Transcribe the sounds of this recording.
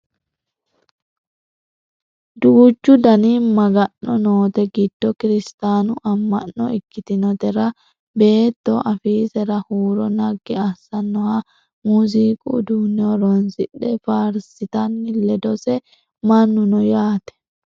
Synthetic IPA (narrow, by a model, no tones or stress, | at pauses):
d̪uːt͡ʃːʊd̪ɐniːmɐɡɐnːɔnoːt̪ɛɡɪd̪̥ːɔkɪɾɪst̪aːnʊʔɐmːɐ̰nːɔ̰ɪkːɪt̪ɪnɔt̪ɛɾɐ | be̞ːt̪ːɔʔɐfiːsɛɾɐhuːɾɔnɐɡːɛɐsɐnːɔhɐ | muːziːkʼṵd̪uːnɪoɾɔnsɪɗːɛfaːɾsɪt̪ɐnːɪlɛd̪ɔsɛ | mɐnːʊnɔjaːt̪ɛ̥